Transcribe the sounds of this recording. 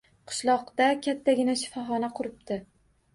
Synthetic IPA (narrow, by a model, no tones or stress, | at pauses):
qʰɨ̥ʃlˠɒqt̪akʲʰat̪ʰːaɡʲɪnaʃɪ̥fɒɦɒnaqʰʊɾɪp̚d̪ɪ